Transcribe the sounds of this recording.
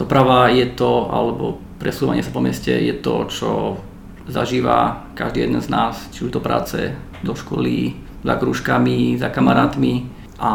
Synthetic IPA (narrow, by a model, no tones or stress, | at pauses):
d̪ɔpɾaʋajɛt̪ɔalɛbɔ | pɾɛsuːʋaɲɪɛsapɔmɛscɛ̰jɛt̪ɔt͡ʃɔ | zaʒiːʋa̰kaʒd̪iːjɛd̪ɛnznaːst͡ʃiud̪ɔpɾa̰ːt͡sɛ | d̪ɔʃkɔlḭ | zakɾuʃkamizakamaɾaːt̪mi | ʔa